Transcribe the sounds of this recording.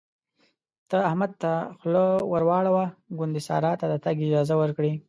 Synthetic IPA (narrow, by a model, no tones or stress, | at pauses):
t̪əahmad̪̚t̪axlowaɾwɑɽawaɡʊnd̪isɑ̰ɾɑt̪ad̪ət̪aɡɪd͡ʒɑzawəɾkɽi